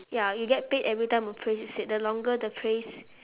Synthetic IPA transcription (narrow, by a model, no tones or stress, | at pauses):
jajuɡɛt̚petɛvɹitãɪ̃mɔfpʰɹesiset̚dəlɔ̃ŋɡədəpʰɹes